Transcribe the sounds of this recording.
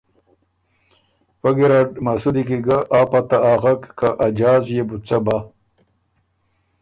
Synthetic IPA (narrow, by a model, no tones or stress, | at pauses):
wɐɡiɾaɖmasud̪ikiɡɐʔaːpat̪aaːɣɐkːaʔad͡ʑaːzjebut͡sɐba